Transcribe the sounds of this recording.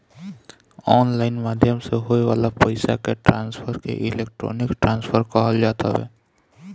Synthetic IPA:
ɔːnlaːɪnmaːd̪ʱjəmseɦoːeʋaːlapəɪsa̰keʈɾaːnspʰəɾkḛʔɪleːk̚ʈɾo̰ːnɪkʈɾãːnspʰəɾkɔɦəld͡ʒaːt̪a̰ʋɛ̰ː

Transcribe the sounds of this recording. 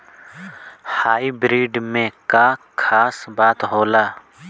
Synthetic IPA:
haːibɾiːɖmẽkakʰaːsbaːt̪ɦoːlaː

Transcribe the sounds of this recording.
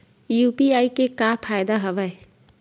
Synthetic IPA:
jupiajkekapʰajd̪ɐɦɐbaj

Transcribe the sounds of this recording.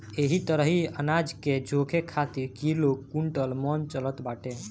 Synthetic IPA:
eɦit̪əɾəɦiənad͡ʒked͡ʒokʰekʰat̪iɾkilokːuɳʈəlmɔnt͡ʃələt̪baʈe

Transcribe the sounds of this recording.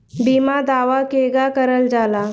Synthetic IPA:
bimad̪aʋakeɡakəɾəld͡zala

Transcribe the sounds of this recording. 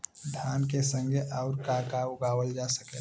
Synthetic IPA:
d̪ʱaːnkesə̃ŋɡʱeʔaːɾkaːkauɡaːwəld͡ʒaːsəke

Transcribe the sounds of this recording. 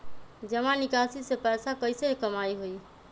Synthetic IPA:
d͡ʒəmanikasisepɛsakəjsekəmajɦoj

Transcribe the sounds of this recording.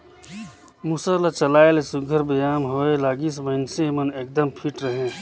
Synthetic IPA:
musəlat͡ʃəlaːelsʊɡʱəɾbəjaːmɦoːelaːɡisməɦɪnseməneːk̚d̪əmpʰiʈɾəɦẽː

